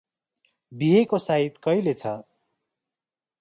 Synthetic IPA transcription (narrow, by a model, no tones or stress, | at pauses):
biɦekosaɦit̪kʌjlet͡sʰʌ